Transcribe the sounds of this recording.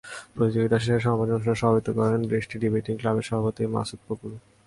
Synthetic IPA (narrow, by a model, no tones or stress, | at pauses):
pɾot̪id͡ʑoɡit̪aʃeʃeɾʃɔmbad͡ʑonʃɔnaʃɔabit̪okɔɾenbɾeʃʈiɖibajʈiŋklabeɾʃɔbʱaot̪ima̰suk̚pokuɾ